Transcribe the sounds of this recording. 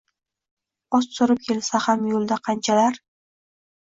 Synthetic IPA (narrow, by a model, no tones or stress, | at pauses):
ɒst̪oɾɪp̚kʲʰe̞lsahamjolˠd̪aqʰɑnt͡ʃʰalaɾ